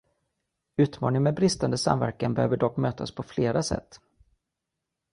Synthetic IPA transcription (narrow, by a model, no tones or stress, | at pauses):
ʉ̟ːt̪mɑːnɪŋmɛbɾɪst̪and̪əsa̰mvæ̰ɾkanbɛhøːvəɖɔkːmøːt̪ʰaspʰɔfleːɾasɛ̰t̪ː